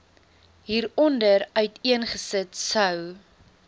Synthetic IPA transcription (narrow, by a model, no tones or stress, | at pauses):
ɦiːɾɔndəɾœɥtiənχəsətsɐw